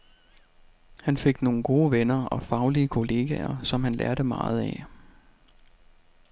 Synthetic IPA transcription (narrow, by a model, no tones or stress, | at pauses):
hænfe̝ɡ̥no̝ːn̩ɡ̥o̝ːʋenɐɒ̽fɑ̈ʊliəkʰo̝le̝ːɡ̥ɛɐsɒ̽mhænlʔæɐɾəmɑ̈ːð̞̩ˠɛ